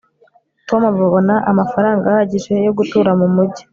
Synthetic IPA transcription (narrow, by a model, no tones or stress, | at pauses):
tomavuβonaʔamafaɾaːŋɡahaɟiʒe̞jo̞ɡutuːɾamumuɟi̥